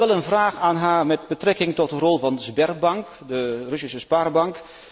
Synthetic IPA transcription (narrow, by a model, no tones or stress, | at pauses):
ʋɛlˠənvraːχaːnɦaːrmɛt̚bətrɛkɪŋtɔt̚dərɔlˠvɑndəzbɛrbɑŋk | dərɵsisəspaːrbɑŋk